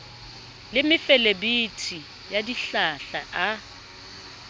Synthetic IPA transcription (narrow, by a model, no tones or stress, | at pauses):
lɪmɪfɛlebitʰi | jadiɬaɬaʔa